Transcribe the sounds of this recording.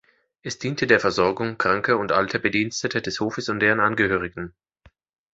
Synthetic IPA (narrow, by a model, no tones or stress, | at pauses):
ʔɛsd̥iːntʰədeːɐfɛɐzɔɐɡʊŋkʁ̥aŋkəʊntʔa̰ltʰəbədiːnstətʰədɛshoːfəsʊnt̚d̥eːʁənʔanɡəhøːʁ̞ɪɡŋ̩